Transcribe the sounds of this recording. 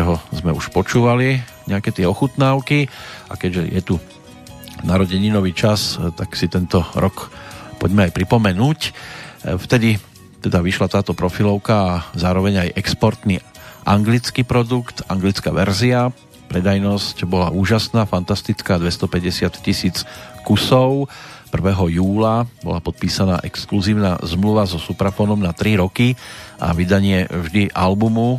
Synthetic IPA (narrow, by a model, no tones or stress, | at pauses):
ɛɦɔzmɛuʃpɔt͡ʃuːʋali | ɲɛakɛt̪ɪɛɔxut̪naːʊkiʔa̰kɛɟʒɛjʔɛ̰t̪u | naɾɔɟɛɲinɔʋiːt͡ʃast̪aksit̪ɛnt̪ɔɾʔɔkpɔɟmɛajpɾipɔmɛnuːc | ft̪ɛd̪i | t̪ɛd̪aʋiʃlat̪aːt̪ɔpɾɔfilɔʊkaːzaːɾɔʋɛɲajʔɛkspɔɾt̪niː | ʔaŋɡlit͡skiːpɾɔd̪ukt̪aŋɡlit͡skaːʋɛɾzia | pɾɛd̪ajnɔscbɔla̰ʔuːʒasnaːfant̪ast̪it͡skaːd̪ʋɛst̪ɔpɛɟɛsɪat̪cisiːt͡skusɔʊpr̩ʋɛːɦɔjuːlabɔ̰lapɔt̪̚piːsana̰ːʔɛkskluziːʊnaːzmluʋazɔsupɾafɔːnɔmnat̪ɾiɾɔkia̰ʋid̪aɲɪɛvʒd̪iʔalbumu